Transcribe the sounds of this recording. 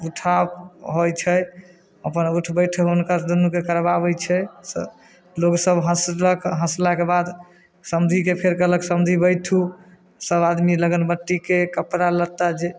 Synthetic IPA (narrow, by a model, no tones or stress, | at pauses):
uʈʰabɦojt͡ʃʰɛ | əpənuʈʰbəjʈʰəunkad̪unːukekəɾbabɛt͡ʃʰɛ | loɡsəbɦə̃sləkɦə̃slakebad̪ | səmd̪ʱikepʰeɾkələksəmd̪ʱibəjʈʰu | səbad̪miləɡənbəʈːikekəpɾalət̪ad͡ʒe